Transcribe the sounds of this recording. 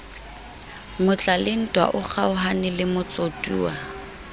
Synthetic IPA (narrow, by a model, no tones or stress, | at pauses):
mʊt͡ɬʼalɪn̩tʼwa̰ʔʊk͡xʰaʊɦanɪlɪmʊt͡sʼotʼṵːwa